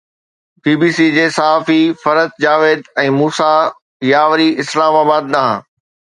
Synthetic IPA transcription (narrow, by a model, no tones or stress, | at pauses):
biːbiːsid͡ʑeːsɐɦaːfifɐɾət̪̚d͡ʑaːʋeːd̪ɛ̃ːmuːsa | jaːʋɾiɪslaːmaːbaːd̪̚ɗaɦã̰ː